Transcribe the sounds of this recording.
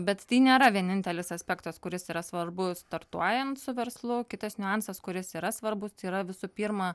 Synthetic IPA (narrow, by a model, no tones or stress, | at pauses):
bʲɛt̪t̪ʲiːnʲeːɾɐʋʲiɛnʲɪnʲt̪ʲɛlʲɪsɐsʲpʲɛkt̪ɐskʊɾʲɪsiːɾɐsʋɐrbʊst̪ɐɾt̪uɔjɛnt̪sʊʋʲɛɾslˠʊkʲɪt̪ɐsnʲʊɑnsɐskʊɾʲɪsiːɾɐsʋɐrbʊst̪ɐɪiːɾɐʋʲɪsʊpʲiːɾmɐ